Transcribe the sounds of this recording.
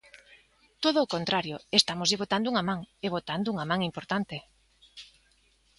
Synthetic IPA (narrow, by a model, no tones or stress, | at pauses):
t̪oðoːkont̪ɾaɾjoest̪amʊzeβot̪and̪ʊuŋamãŋeβ̞ot̪and̪ʊuŋamãŋimpoɾt̪ant̪ɪ